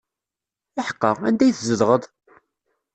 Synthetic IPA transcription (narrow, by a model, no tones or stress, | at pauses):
ɪħə̥qːəʁæ̰nd̪æjθzəðʁəðˤ